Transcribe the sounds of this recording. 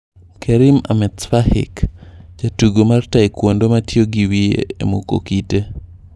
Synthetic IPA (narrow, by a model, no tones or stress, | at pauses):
kʰɛɾima̰mɛtsfahḭkd͡ʒatuɡomartaikwondomatjoɡiwiḛḛmuko̰kite